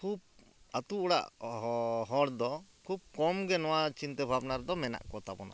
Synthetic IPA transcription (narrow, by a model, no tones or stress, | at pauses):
kʰub̚ | at̪uɔɽa̰ʔ | ɦɔɽd̪ɔkʰub̚kɔmɡɛnɔwat͡ʃint̪ɛbʱabnaɾd̪ɔmɛna̰ʔkɔt̪abɔ̰na̰